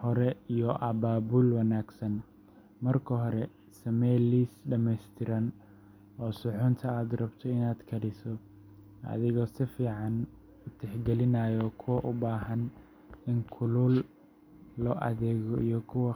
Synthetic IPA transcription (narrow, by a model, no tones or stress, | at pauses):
hɔɾɛijɔʔɐbaːbulwɑnaːɡsɐn | mɐrkʰɐɦɔɾɛ | sɐmɛjliːsɖɐmɛst̪ʰɪɾɐn | ɔːsʊħʊnt̪ʰɐaːd̪rɐbt̪ʰɔɪnaːd̪kʰɐɽɪsɔ | ʔɐ̰ðɪɣɔːsɪfiːʕɑn | ʊt̪ʰɛħɡɛlɪnajɔkʰʊwɐʔʊbaːɦɐn | ɪŋkʰʊluːlː | ɔːʔɐ̰ðɛːɣɔijɔkʰʊwɐ